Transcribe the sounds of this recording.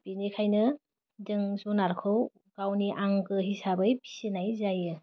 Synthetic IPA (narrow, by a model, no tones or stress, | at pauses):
b̥inikʰajnɯ | dɯŋzunaɾkʰɯw | ɡ̥awniʔaŋɡɯɦisabɯjpʰi̥senajzajɯ